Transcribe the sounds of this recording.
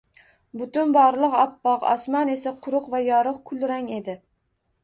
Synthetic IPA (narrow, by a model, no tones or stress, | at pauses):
bʊt̪ʊnbɒɾlˠɨqɒpːɑqɒ̰smɑne̞saqʰʊɾʊqvajɒɾɨqkʰʊlˠɾaŋe̞d̪ɪ